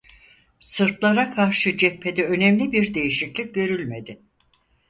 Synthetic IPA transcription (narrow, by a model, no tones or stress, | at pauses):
sɯɾp̪lˠaɾakʰaɾʃɯd͡ʒɛpʰːe̞d̪ɛø̞nɛmlʲibiɾd̪e̞jiʃiclʲic̚ɟø̞ɾylʲme̞d̪ɪ